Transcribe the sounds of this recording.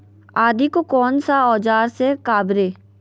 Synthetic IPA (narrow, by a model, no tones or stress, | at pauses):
aːd̪ikokɔːnsaɔːd͡ʒaːɾsekaːbɾeː